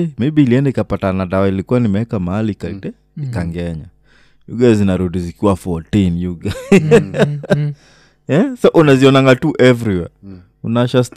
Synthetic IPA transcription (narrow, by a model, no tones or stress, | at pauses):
mibiːliɛndaikapatanaɗawailikuwanimɛɛkamahalikadɛ | ikaŋɡɛɲa | jṵɡazinaɾuɗizikiwafɔtinjuɡa | ɛsɔʔunaziɔnaŋɡatuʔɛvɾiwɛ̰ | unaʃast